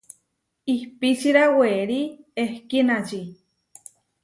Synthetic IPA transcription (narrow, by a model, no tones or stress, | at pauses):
ihpit͡ʃiɾaweɾiehkinat͡ʃi